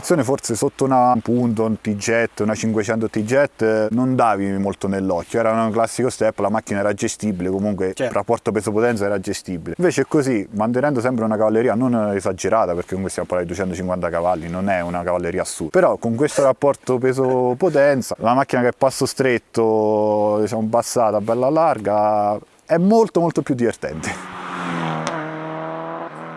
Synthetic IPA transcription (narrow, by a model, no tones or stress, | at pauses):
t̪sjoːnefort̪sesot̪ːounapunt̪ont̪id͡ʒːɛt̪ːunat͡ʃiŋkwet͡ʃɛnt̪ot̪id͡ʒːɛt̪ːnond̪aːvimolt̪onelːɔkːjoɛːɾanŋklasːikost̪ɛpːlamakːinaɛːɾad͡ʒest̪ibilekomuŋkwerʔapːɔrt̪opesopot̪ɛnt̪saɛɾad͡ʒest̪ibileiɱveːt͡ʃeɛkːozimant̪̬enɛnd̪os̬ɛmp̬ɾeunakavalːeɾiːanonezad͡ʒeɾaːt̪apeɾrk̟ekːoŋkwest̪jampːaɾat̪id̪uwet͡ʃɛnt̪ot͡ʃiŋkwant̪akavalːinonɛunakavalːeɾiːasupeɾɔkːoŋk̬west̪oɾapːɔrt̪op̬ezopot̪̬ɛnt̪salamak̟ːinakeɛpːasːost̪ɾet̪ːo | d̪it͡ʃamobːasːaːt̪abːɛlːalarɡa | ɛmːolt̪omolt̪opːjud̪ːivert̪ɛ̰nt̪e̥